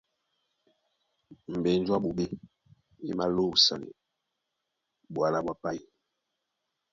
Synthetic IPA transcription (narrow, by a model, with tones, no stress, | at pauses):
m̩˨be˨n̩˦d͡ʒwa˦ɓu˨ɓe˦ | i˦ma˦lo˦˨sa̰˨nḛ˨ | ɓwa˨la˨bwa˨pa˦i˦